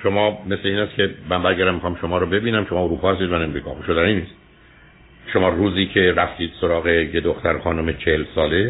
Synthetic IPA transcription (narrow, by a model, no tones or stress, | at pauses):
ʃo̞mɒːme̞sle̞iːnæskʰʲe̞mæmbæɾɡæɾæmːixɒːmʃomɒːɾobe̞biːnæmʃo̞mɒːoɾuːpʰɒːhæst̪iːd̪mænemɾiːkʰɒ̰ːxoʃod̪æniniːst̪ | ʃomɒːruːziːkʰe̞ɾæft̪iːd̪̥soɾɒːɣe̞jed̪oxt̪æɾxɒːnomet͡ʃʰehelsɒːle̞